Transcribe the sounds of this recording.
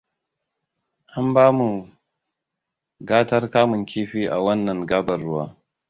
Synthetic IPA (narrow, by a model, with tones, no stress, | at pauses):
ʔa˦mbaː˦mu˨ | ɡaː˦tɐ˦rkaː˦mʊ˨ŋkʲiː˦ɸiː˦ʔa̰˨wɐ˦nːɐ˨ŋɡaː˦bɐ˨rːʊ˦wa̰ː˦